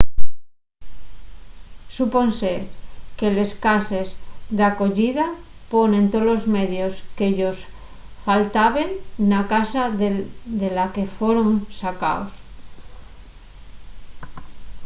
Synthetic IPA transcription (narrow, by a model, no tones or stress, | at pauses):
supo̞nseke̞le̞skase̞zðako̞ʝiða | po̞nẽ̞nt̪olo̞zme̞ðjoskeʎo̞s | falt̪aβe̞nːakasa | ðelake̞feɾonsaka̰os